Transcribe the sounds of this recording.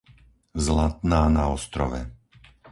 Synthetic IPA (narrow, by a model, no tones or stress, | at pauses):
zlat̪̚naːnaɔst̪ɾɔʋɛ̰